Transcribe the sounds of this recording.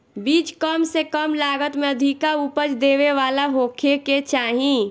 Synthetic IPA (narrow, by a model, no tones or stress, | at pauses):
biːt͡ʃkəmsekəmlaːɡət̪mẽəd̪ʱikaupət͡ʃd̪eːʋeʋaːlaɦoːkʰeket͡ʃaːɦĩ